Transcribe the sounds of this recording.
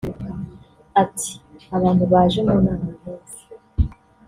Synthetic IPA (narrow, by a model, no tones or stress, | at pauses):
atʰi̥aβaːntuβaːʒemunaːna